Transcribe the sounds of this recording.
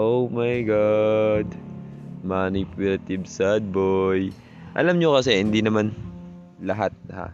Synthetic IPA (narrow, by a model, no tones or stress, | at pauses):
ʔowmɐjɡad̪ | manipulɐt̪ɪbsɐd̪̚boj | ʔɐ̰lamɲokɐsɛhɪnd̪inɐman | lɐɦat̪̚ha̰